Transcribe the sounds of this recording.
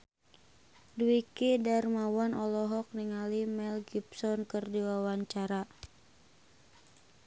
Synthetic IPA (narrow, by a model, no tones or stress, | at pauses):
duwikidarmawanʔɔlɔɦɔk̚niŋalimɛlɡipsɔnkɨrdiwawaɲt͡ʃaɾa